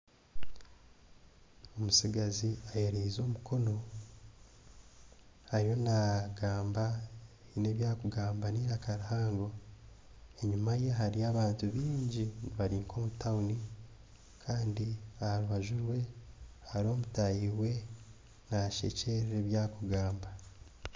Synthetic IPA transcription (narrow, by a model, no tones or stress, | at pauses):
omusiɡaziaheɾeizo̞ːmuko̞no̞ | haɾijo̞naɡaːmbaineβjaːkuɡaːmbaniɾakaɾahaːŋɡo̞ | e̞ɲumaje̞ɦaɾiaːβaːntuβiːɲɟiniβaɾiːŋkʰo̞ːmutauni | kʰaːndiahaɾuβaʒuɾwe̞haɾo̞ːmutajiwe̞ | naʃe̞̰ce̞ɾeɾe̞βjaːkuɡaːmba